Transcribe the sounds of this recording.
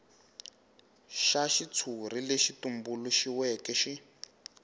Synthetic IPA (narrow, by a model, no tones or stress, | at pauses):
ʃaʃit͡sʰur̤ileʃitumbuluʃiwɛkɛʃi